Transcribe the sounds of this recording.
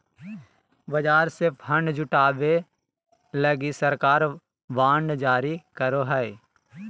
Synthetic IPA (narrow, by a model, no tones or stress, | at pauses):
bəd͡ʒaːɾsɪɾpʰɦə̃ɳɖd͡ʒʊʈaːbe | ləɡisəɾkaːɾ | ʋaːɳɖd͡ʒaːɾikəɾoɦɛɪ